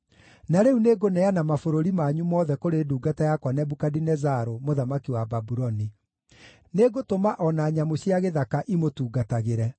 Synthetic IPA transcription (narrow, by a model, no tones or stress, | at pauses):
naɾeuneɡonɛanamafoɾoɾimaɲumɔːðɛkoɾeːduːɡatajakwanɛbukadinɛzaɾomoðamakiwababuɾɔni | neːɡotomaʔɔnaːɲamoɕiaɣeðakaʔimotuːɡataɣeɾɛ